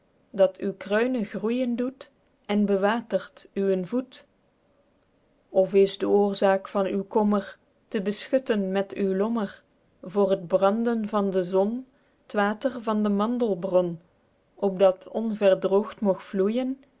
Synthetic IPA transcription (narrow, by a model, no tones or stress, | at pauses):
dɑtʰywkrœɥnəɣrujəndut | ɛnbəʋaːtəɹtyənvut | ɔfɪzdəʊːɹzaːkfɑnywkɔmər | təbəsxɵtənmɛtywlɔmər | vʊːrɦədbrɑndənvɑndəzɔn | tʋaːtərvɑndəmɑndəlˠbrɔn | ʔɔp̚dɑtʰɔnvɛrdrowxtmɔxflujən